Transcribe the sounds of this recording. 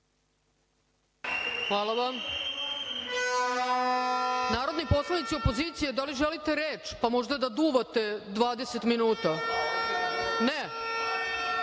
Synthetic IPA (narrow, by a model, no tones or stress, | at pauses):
xʋaːlˠaʋam | naːɾo̞d̪nipo̞slˠanit̪siopo̞ziːt̪sije̞d̪aliʒelit̪e̞ɾeːt͡ʃpamo̞ʒd̪ad̪ad̪uːʋat̪e̞d̪ʋaːd̪ese̞t̪minuːt̪a | ne